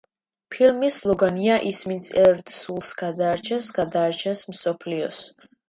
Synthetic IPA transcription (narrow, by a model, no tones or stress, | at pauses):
pʰilmislˠɔɡaniaʔismisʰɛɾt̪sulˠsɡad̪aːɾt͡ʃʰɛsɡad̪aːɾt͡ʃʰɛsmsɔpʰliɔ̰s